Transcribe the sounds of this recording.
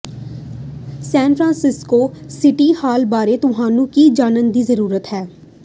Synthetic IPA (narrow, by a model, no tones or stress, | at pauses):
sɛ̃ːnpʰɾãːnsɪskoːsɪʈiːhaːlbaːɾeːt̪ʊɦaːnũːkiːd͡ʒaːnənd̪iːzəɾuːɾət̪hɛː